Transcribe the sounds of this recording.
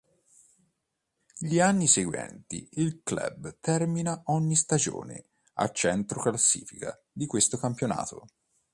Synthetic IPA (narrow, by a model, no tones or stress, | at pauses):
ʎianːiseɡwɛ̰nt̪iilklɛ̰bt̪ɛrminaɔɲːist̪ad͡ʒo̰ːnḛ | a̰t͡ʃɛnt̪ɾoklasːḭːfika̰ | d̪ikwest̪okampjona̰ːt̪o̰